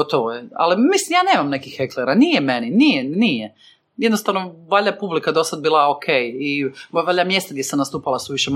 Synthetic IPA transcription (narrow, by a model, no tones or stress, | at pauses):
ot̪oʋojea̰limislimjaːneːmamnekixxekleɾanijemeninijenije | jed̪nost̪aʋnoʋaʎapublikad̪o̞sad̪̚biːlˠaokʰejiʋaʎʲamje̞st̪aɡd̪ʲjesamnast̪uːpalasuʋiʃe